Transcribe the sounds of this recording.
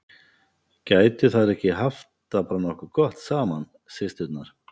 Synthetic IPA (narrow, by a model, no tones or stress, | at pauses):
cajt̪ʏθaðɾɛhcɪɦaft̪apaɾanɔhkʏkɔht̪saːman | sejst̪ʏt̪naɾ̥